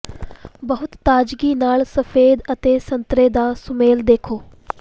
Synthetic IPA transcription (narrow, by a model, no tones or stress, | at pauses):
bəɦʊt̪ːaːd͡ʒɡiːnaːlsəfʰeːd̪ət̪eːsə̃nt̪ɾeːd̪aːsʊmeːld̪eːkʰoː